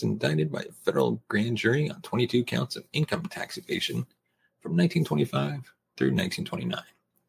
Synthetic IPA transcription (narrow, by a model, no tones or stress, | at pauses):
zɨ̃n̩daɪɾɨd̚baɪɨfɛɾə̰˞l̩ˠɡ̥ɹæ̃nd͡ʒʊɹiə̰̃ntʰw̥ɛ̃ɾ̃itʰʉkʰãʊ̃ntsʌvɪ̃nkʰʌ̃mtʰæ̰ksɨkʰeɪʃɨ̃n | fɹʌ̃mnãɪ̃tʰĩntʰwɛ̃nifaɪv̥ | θɹʉ̰nãɪ̃ntʰĩntʰw̥ɛ̃ñinã̰ɪ̃n